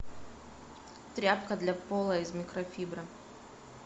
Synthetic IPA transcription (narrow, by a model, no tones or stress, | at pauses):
t̪ɾʲapkəd̪lʲɐpolˠəɪzmʲɪkɾɐfʲibɾɐ